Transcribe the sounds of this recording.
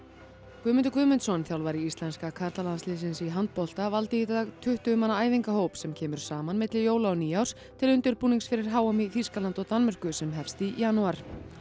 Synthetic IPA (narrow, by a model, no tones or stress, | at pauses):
kʰvʏːmʏnt̪ʏkʰvʏːmʏnt̪sɔnθjawlvaɾiist̪lɛnskakʰaɾt̪alanslɪðsɪnsiɦant̪̚pɔl̥t̪avalt̪ɪiθaaɣt̪ʰʏht̪ʏʏmanːaaːjviŋkaɦoːwpsɛmcʰɛːmʏɾ̥saːmanmɪt̪lɪjoːwlaɔniːawr̥s | t̪ʰɪlʏnt̪ɪɾpuːniŋksfɪɾɪɾ̥ɦaːwamiθiskalant̪ɔɣt̪anmɛr̥kʏsɛmɦɛfst̪ijanuaɾ̥